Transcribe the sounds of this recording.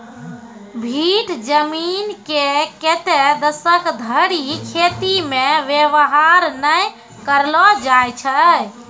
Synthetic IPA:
bʱiʈd͡ʒəminkeket̪ed̪əsəkd̪ʱəɽikʰet̪imẽʋjeʋəɦaɾnəj | kəɾlɔd͡ʒajt͡ʃʰə

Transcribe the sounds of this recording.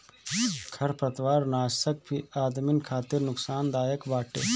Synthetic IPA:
kʰɐɾpɾɐt̪waːɾnaːɐk̚bʰʱiaːd̪mɪnkʰaːt̪ɪɾnʊksaːnd̪aːjəkbaːʈḛː

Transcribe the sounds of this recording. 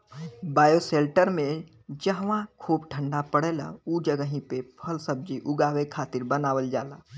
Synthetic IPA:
baːjoseːlʈəɾmẽ | d͡ʒəɦʋãkʰuːbʈʰə̃ɳɖapəɽeːla̰uːd͡ʒəɡəɦĩpepʰəlsəb̚d͡ʒiʔʊɡaːwekʰaːt̪ɪɾbənaːwəld͡ʒaːlaː

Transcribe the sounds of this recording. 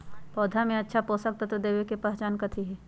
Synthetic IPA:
pɔːd̪ʱamẽɐtːʃʰapoːsək̚t̪at̪od̪eːʋekepaːst͡ʃaːnkɐt̪ʰiɦɛː

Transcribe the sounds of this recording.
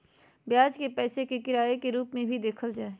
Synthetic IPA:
bjaːd͡ʒkepɛːsekekɪɾaːekeɾuːpmẽbʱid̪eːkʰəld͡ʒaːe

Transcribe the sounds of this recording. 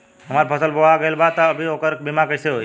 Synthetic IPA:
ɦəmaːɾpʰəsəlboaɡəelbat̪əəbʱiokəɾbimakəɾseɦoː

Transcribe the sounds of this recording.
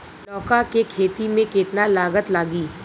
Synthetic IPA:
ɔːkakekʰeːt̪imẽkɪːt̪nalaːɡət̪laːɡiː

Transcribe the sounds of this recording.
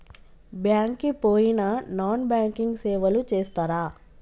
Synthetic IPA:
bjaːŋkːipoːjinɐnaːnbjaːŋkiŋɡsɛːʋɐlut͡ʃeːst̪aːɾaː

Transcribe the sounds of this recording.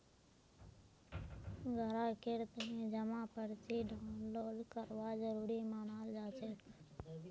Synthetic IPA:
ɡʱəɾaːkeɾt̪əɦːd͡ʒəmãːpəɾt͡ʃiːɖʱãːloːlkəɾʋaːd͡ʒəɾuːɾiːmaːnaːld͡ʒaːt͡ʃʰeː

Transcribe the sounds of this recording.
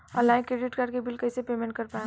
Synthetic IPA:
ɔ̰laɪnkɾeɖɪʈkaːɾɖkebɪlkɐsepeːmẽɳʈkɐɾpaẽ

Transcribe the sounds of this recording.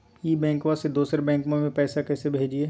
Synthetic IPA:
iːbɛ̃ːŋkʋased̪uːsɾebɛ̃ːŋkmõmẽpɛːsakɛːsebʱeːd͡ʒieː

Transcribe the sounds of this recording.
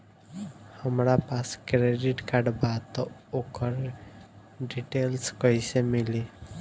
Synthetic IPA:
həmɾapaskɾeɖiʈkaɾɖbat̪okəɾ | ɖiʈelskəisemili

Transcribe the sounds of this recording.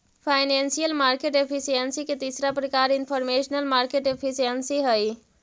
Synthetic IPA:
pʰajnensijəlmaɾkeʈepʰisijənsiket̪isɾapɾəkaɾinpʰəɾmesnəlmaɾkeʈepʰisijənsiɦəj

